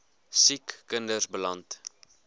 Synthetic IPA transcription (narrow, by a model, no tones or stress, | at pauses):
sikːəndərsbəlɐnt